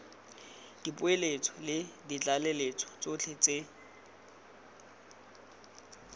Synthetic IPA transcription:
d̥ipʼʊelet͡sʰʼɔlɪdit͡ɬʼalelet͡sʰʼɔ̥t͡sot͡ɬʰet͡se

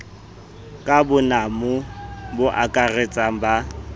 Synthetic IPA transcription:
kʼabʊnamʊbʊʔakʼaret͡sʼaba

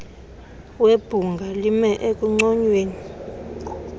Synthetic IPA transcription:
web̥ʱuŋɡʱalimɛʔekʼuŋ͡ǀɔɲweːni

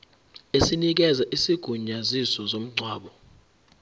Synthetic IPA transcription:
esinik̬ɛzaʔisiɡ̥ʱuɲazisɔzom̩ɡ͡ǀʱwaːɓɔ

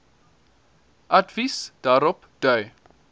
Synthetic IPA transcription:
ʔadvisd̥aːɾɔp | d̥œɥ

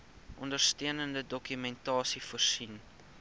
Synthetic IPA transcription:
ʔɔndərstøənəndədɔkymɛntɑːsifuərsin

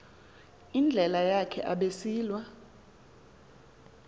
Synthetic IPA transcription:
ind͡ɮʱɛlajakʰɛ̰ʔaɓesiːlwa

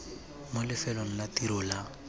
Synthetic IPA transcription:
mʊlɪfɛlɔn̩latiɾʊːla

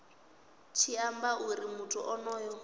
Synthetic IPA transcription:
t͡ʃʰiambaʔuɾimutʰʼuʔɔnɔːjɔ

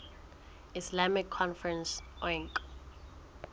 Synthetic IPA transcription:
islamikʰːɔnfɹɛnsɔŋkʼ

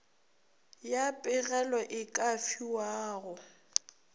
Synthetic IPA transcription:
japʼɪɣɛlɔʔɪkʼafiwaːɣʊ

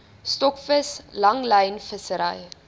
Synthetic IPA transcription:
stɔkfəslɐŋlɛjnfəsəɾɛ̰j

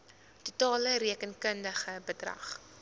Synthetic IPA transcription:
tutɑːləriəkənkəndəχəbədrɐ̰χ

